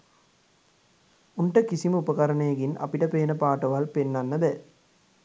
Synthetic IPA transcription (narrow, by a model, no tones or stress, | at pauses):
unʈəkisiməupəkɐɾənejɐɡinʔɐ̰piʈəpeːnəpaːʈɐʋalpenːanːəb̪ɛ